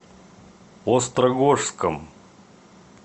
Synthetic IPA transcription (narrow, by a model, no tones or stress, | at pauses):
ost̪ɾɐɡoʂskəm